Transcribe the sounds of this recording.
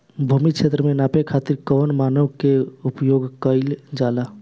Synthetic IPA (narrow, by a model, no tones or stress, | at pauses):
bʱumit͡ʃʰet̪ɾəmenapekʰat̪iɾkənmanəwkeupjoɡkəld͡ʒala